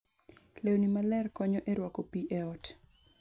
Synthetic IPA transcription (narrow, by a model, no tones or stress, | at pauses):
lewnimalɛrkɔɲɔʔeɾwakopiʔeɔt